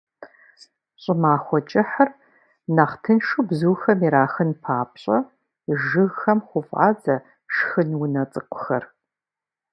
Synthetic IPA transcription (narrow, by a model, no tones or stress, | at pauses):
ɕʼɪmaːxʷɔt͡ʃʼɪħɐr | naχtʰɨnʂubzuːxɐmiɾaːxɨnpʰaːp̚ɕʼɐ | ʒɨɣxɐmχʷʊfʼʔa̰ːd͡zɐ | ʂxɨnwʊnɐt͡sʼɨqʷʊ̥xɐr